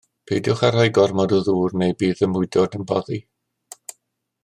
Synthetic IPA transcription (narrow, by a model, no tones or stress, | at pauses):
pʰeːdjʊχɛr̥ajɡɔrmɔduðuːrnejbiːðəmʊɨdɔdənbɔði